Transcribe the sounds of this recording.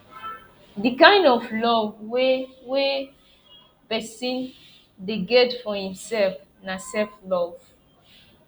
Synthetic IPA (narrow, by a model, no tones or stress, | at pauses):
dikãɪ̃ndɔflɔvwewe | pɛsĩn | deɡɛtfɔhĩmsɛlfnasɛlflɔv̥